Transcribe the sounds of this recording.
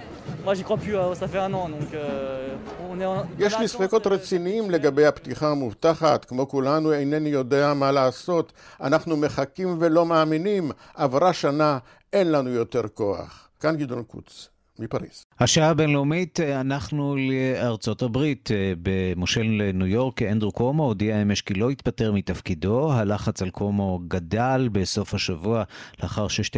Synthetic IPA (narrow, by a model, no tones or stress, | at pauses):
mwaʒikχwapyøsafɛɛ̃nɑ̃d̪ɔ̃kø | ɔ̃nɛ̃jeʃmisχeko̞t̪ʁet͡siniimle̞ɡabe̞jhaptiχamuvt̪aχatkmo̞kulanuejnenijo̞de̞amalaːso̞t | a̰naχnume̞χakimve̞lo̞maːminim | ʔavʁaʃana | e̞nlanujo̞te̞ʁko̞a̰χ | kanɡidonkṵt͡s | mipaʁḭshaʃaabenleumitanaχnuleaʁt͡so̞tabʁitbemoʃellenujo̞ʁkend̪ʁukomodiaemeʃkilo̞it̪̚bateʁmitafkido̞ɦalaχat͡salkʰomo̞ɡadalbe̞so̞fhaʃavualeaχaʁʃeʃt